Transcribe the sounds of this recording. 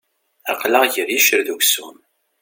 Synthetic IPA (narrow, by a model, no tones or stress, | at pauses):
æqːlaʁʝəɾjiʃəɾðukʷsum